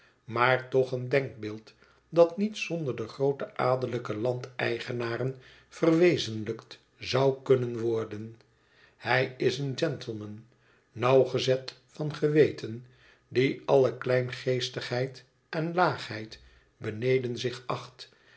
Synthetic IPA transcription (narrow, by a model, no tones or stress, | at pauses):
maːɹtɔχəndɛŋk̚bɪːlˠt | dɑtnitsɔndəɹdəχrowtəʔaːdələkəlɑntɛjχənaːrən | fərʋejzənləkt | zɑwkɵnənʋɔɹdən | hɛjɪsənd͡ʒɛntʰəl̩ˠmənː | ɑwχəzɛtfɑnχəʋejtʰən | diɑləklɛjnχejstəχɦɛjt | ɛnlaːχɦɛjt | bənejdənzɪχɑχt